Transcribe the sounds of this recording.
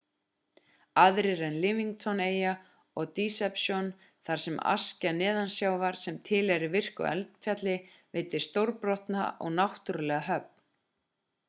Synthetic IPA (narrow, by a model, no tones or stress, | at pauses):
aðɾɪɾɛnlɪmiŋkt̪ʰɔneːja | ɔɣt̪iːsɛpsjɔn | θaɾ̥sɛma̰scanɪːðansjaːwvaɾ̥sɛmt̪ʰɪlɛɾivɪr̥kʏ̰ɛ̰lt̪fjat̪lɪ | veːjt̪ɪ̥st̪owɾpɾɔht̪na̰ʔɔ̰ɣnawht̪ʏɾʏlɛːɣaɦœp̚n